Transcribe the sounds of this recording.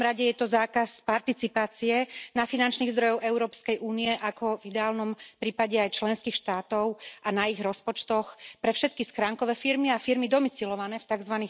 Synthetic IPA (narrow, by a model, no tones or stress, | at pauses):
mɾaɟɛjɛt̪ɔzaːkaspaɾt̪it͡sipaːt͡siɛnafinant͡ʃniːɣzd̪ɾɔjɔʊʔɛʊɾɔːpskɛjʔuːniɛʔakʰɔvid̪ɛaːlnɔmpɾiːpaɟɛajt͡ʃlɛnskiːxʃt̪aːt̪ɔʊʔanaiɣɾɔspɔt͡ʃt̪ɔxpɾɛfʃɛt̪̚kisxɾaːŋkɔʋɛːfiɾmiafiɾmid̪ɔmit͡silɔʋanɛːft̪aɡzʋaniː